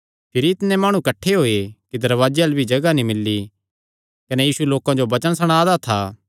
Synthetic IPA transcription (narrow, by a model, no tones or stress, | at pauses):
pʰɪɾiɪt̪nẽmaːɽ̃ũkɐʈʰːeɦoːekid̪ɐɾʋaːd͡ʒeɐlbʱid͡ʒɐɡanĩmɪlːi | kɐnejiːsueloːkãd͡ʒobɐt͡ʃənsɐɽ̃aːd̪at̪ʰaː